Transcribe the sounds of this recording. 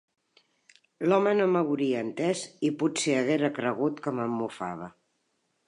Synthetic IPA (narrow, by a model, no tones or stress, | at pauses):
lɔmənoməβuɾiəːnt̪ɛziput̪seəɣ̞ɛɾəkɾəɣ̞ut̪kəməmːufa̰β̞ə